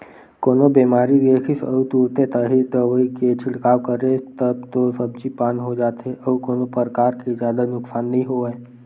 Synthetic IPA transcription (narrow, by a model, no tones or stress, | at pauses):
koːnobemaːɾid̪eːkʰɪsə̰ut̪uːɾt̪et̪aɦid̪əʋəiket͡ʃʰɪɽkaːʋkəɾet̪əbt̪osəbt͡ʃipaːnɦod͡ʒaːt̪ʰeʔəukoːnopəɾəkaːɾkezjaːd̪anʊksaːnːəɦĩɦoə